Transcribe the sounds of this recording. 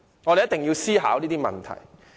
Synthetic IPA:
ŋɔ˨˧ɾe˨jɐ˥t̪ɪ˨˩ŋjiː˧wsiː˥ɦa̰ː˨˥wniː˥t̪iː˥mɐ̰˨nt̪ʰɐ̰˨˩j

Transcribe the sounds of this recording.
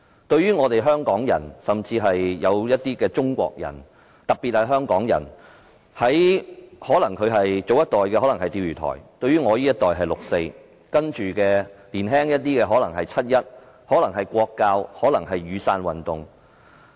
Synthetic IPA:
t̪ɵ˧ɥyː˥ŋɔː˨˧t̪e˨jɦœː˥ŋkɔː˨˥ŋjɐ̰˨˩nsɐ˨mt͡siː˧ɦɐ˨jːɐ˨˧wjɐ˥t̚t̪iː˥kɛː˧t͡sʊ˥ŋkʷɔ̰ː˧k̚jɐ̰˨˩n | t̪ɐ˨˩k̚pːi˨t̚hɐ˨jɦœː˥ŋkɔː˨˥ŋjɐ̰˨˩n | hɐ˨˥jhɔː˨˥lɐ˨˩ŋkʰɵ˨˧ɥɦɐ˨jt͡so˨˧wjɐ˥t̚t̪ɔː˨jkɛ˧hɔː˨˥lɐ˨˩ŋɦɐ˨jt̪iː˧wjyː˨˩t̪ʰɔ̰ː˨˩jt̪ɵ˧ɥyː˥ŋɔː˨˧jiː˥jɐ˥t̚t̪ɔː˨jɦɐ˨jlʊ˨k̚se˧j | kɐ˥nt͡ʃyː˨kɛː˧liː˨˩nɦɛː˥ŋjɐ˥t̚t̪iː˥kɛː˧ɦɔː˨˥lɐ˨˩ŋɦɐ˨jt͡sʰɐ˥t̚jɐ˥t̚ | hɔː˨˥lɐ˨˩ŋɦɐ˨jkʷɔː˧kːaː˧whɔː˨˥lɐ˨˩ŋɦɐ˨jɥyː˨˧saː˧nwɐ˨˩nt̪ʊ˨ŋ

